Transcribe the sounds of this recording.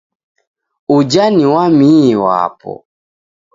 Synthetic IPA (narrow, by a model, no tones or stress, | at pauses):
ud͡ʒaniwamiwa̰pɔ̰